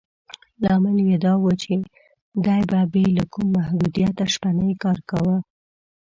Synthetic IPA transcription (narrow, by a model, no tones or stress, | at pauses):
lɑmaljed̪ɑwət͡ʃe | d̪ɑjbabelakumːahd̪ud̪ijat̪aʃpanəjkɑɾkawə